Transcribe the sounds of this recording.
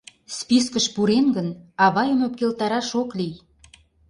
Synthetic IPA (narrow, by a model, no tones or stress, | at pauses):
spiskəʃpuɾenɡənɑβɑjəmop̚kelt̪ɑɾɑʃoklij